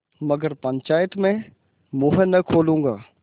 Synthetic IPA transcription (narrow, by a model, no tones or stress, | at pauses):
mɐɡəɾpə̃ɲt͡ʃaːjət̪mẽ | mʊ̃ɦenɐkʰoːlũːŋɡaː